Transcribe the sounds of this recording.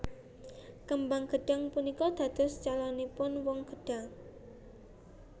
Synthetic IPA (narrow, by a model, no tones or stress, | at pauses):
kəmbaŋɡ̥əɖ̥a̤ŋpunikɔd̪̥ä̤d̪̥ɔ̤st͡ʃalɔnepʊnwɔŋɡ̥əɖ̥a̤ŋ